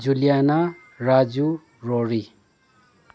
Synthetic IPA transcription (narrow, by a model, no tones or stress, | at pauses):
d͡ʒuljana | ɾad͡zu | roɾi